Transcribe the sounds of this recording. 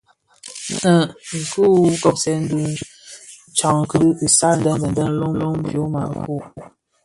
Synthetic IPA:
nə˨ŋ̩˨ku˦kɔ˦p̚sɛ˦n˦du˦ | t͡ʃa˨ŋkə˨sa˦˨n̩˦də˦˨ŋɡə˨ndə˦n̩˦lo˦ŋ˦lo˦ŋm˦bjo˨˦ma̰˨ku˦˨

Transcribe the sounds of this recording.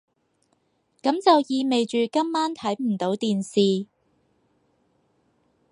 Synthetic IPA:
kɐ˨˥mt͡sɐ˨wjiː˨˧me˨jt͡ʃyː˨kɐ˥mːaː˥nt̪ʰɐ˨˥jm̩˨˩t̪o˨˥wt̪iː˨nsiː˨

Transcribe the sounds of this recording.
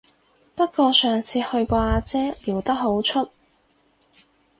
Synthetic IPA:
pɐ˥t̚kɔː˧sœː˨˩ŋt͡sʰiː˧hɵ˧ɥkɔː˧aː˧t͡sɛː˥liː˨˩wt̪ɐ˥k̚ɦo˨˥wt͡ʃʰɵ˥t̚

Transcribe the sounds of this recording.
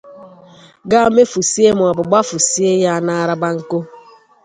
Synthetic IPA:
ɡa˦me˦fu˨si˦e˦mʊ˨a˨bʊ˨ɡ͡ba˦fu˨si˦e˦ja˦a˦˨na˦a˦ɾa˦ba˦ŋ̩˦ko˦

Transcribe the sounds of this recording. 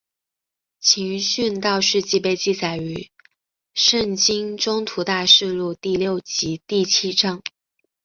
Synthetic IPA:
t͡ɕʰi˧˥ŋɕy˥˧nt̪ɑ˥˧ʊʂɻ̩˥˧t͡ɕi˥˧pe˥˧ɪt͡ɕi˥˩t͡sa˨˩ɪy˧˥ | ʂə˥˩ŋt͡ɕi˥ŋʈ͡ʂʊ˥ŋt̪ʰu˧˥t̪a˥˧ʂɻ̩˥˧lu˥˧t̪i˥˧ljo˥˩ʊt͡ɕi˧˥t̪i˥˩t͡ɕʰi˥ʈ͡ʂɑ˥ŋ

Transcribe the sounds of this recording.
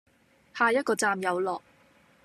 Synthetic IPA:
haː˨˧jɐ˥t̚kɔː˧t͡saː˧mjɐ˨˧wlɔː˨k̚

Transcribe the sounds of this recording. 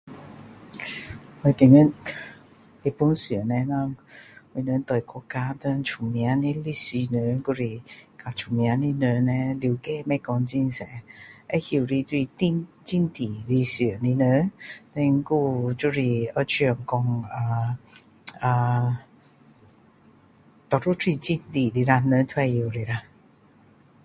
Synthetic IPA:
wə˧˩t̪i˨˧˩ŋə˥n | e˧˩pu˧˦nsi˨˩˨nɛ˧na˥˧˩ŋwə˧˩nə˧˥˦nt̪ɔ˨˩kɔ˧kːaː˧˥t̪ə˧nt͡ʃʰu˨˩mja˨˧˦ni˧˥li˧si˧nə˨˦nku˥˧ɾi˧˩ka˧˩t͡ʃʰu˨˩mja˧˦ni˧˥nə˧˦nɛ˧li˧wkɛ˥˧˨mɛ˥˧˩kɔ˧ŋt͡ɕi˥˧nsɛ˨˦ʔe˦hi˧˩˨ɾi˧t̪wi˥˧t̪i˧n | t͡ɕi˥˧˨nt̪i˨˩li˧si˧˩ə˨ni˧nə˧˦nɛ˧ŋ˦ku˧t͡ɕu˥˧ɾi˧ə˧t͡ɕʰi˧ə˨˩ŋkɔ˧ŋə˧˩ | a˧˩ | t̪ɔ˨˩ɾu˥˨t̪ʰwi˥˧t͡ɕi˧nt̪i˨˩li˧ɾa˧nə˧˦t̪ʰwɛ˥˧˨ji˨˩ɾi˧˨ɾa˧

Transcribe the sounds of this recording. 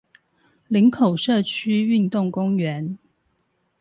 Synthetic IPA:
li˧˥ŋkʰo˨˩ʊʂɤ˥˧˩t͡ɕʰy˥y˥˧nt̪ʊ˥˩ŋkʊ˥ŋɥɛ˧˦n

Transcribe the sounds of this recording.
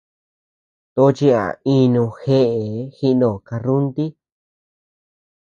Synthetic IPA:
t̪o˧˦t͡ʃi˧a̰˨ĩ˧nũ˧xe˦ʔe˨˦xi˦˧nõ˧˨ka˧ɾu˦nt̪i˦

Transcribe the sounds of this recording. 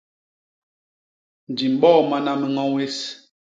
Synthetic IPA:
n̩˨d͡ʒi˨m̩˨ɓɔ˦˨ma˦na˦mə˦ŋɔ˦we˦s

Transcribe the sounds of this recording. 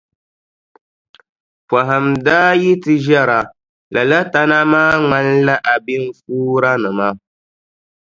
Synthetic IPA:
pa˨ɦa˨mdaː˦ji˦tɨ˦ʒɛ˦ɾa˨ | lʔa˨la˦ta˦na˦maː˦ŋa˦n˦la˦ʔa˨bi˦n̩˦fuː˦ɾa˦nɨ˨ma˦

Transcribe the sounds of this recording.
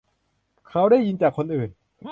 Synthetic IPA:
kʰa˦˥wdaː˥˩jːi˧nt͡ɕaː˨˩kʰːo˧nʔɯː˨˩n

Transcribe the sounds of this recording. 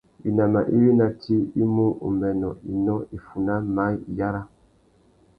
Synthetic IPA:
i˨na˨ma˨ʔi˦wi˦na˨tʰi˦i˦mu˦ṵ˨mɛ˨nɔ˨i˨nɔ˦i˨fu˨na˦ma˨˦ji˨ja˦ɾa˦

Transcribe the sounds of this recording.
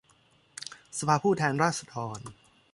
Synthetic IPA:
sa˧pʰaː˧pʰuː˥˩t̪ʰɛː˧nɾaː˥˩t̪̚sa˧d̪ɔː˧n

